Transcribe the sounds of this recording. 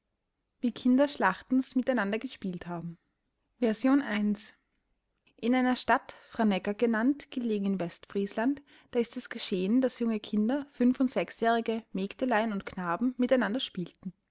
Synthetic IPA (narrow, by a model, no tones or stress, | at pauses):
viːkʰɪndɐʃlaχtn̩smɪtaɪnandɐɡəʃpiːlthaːbm̩ | vɛɐzjoːnʔaɪns | ʔɪnaɪnɐʃtatfʁ̥anɛkɐɡənantɡ̥əleːɡŋ̩ɪnvɛstfʁ̥iːslant | d̥aːɪstɛsɡ̥əʃeːəndasjʊŋəkʰɪndɐfʏnfʊntz̥ɛksjɛːʁ̞ɪɡəmeːktəlaɪənʊntkʰnaːbm̩mɪtaɪnandɐʃpiːltn̩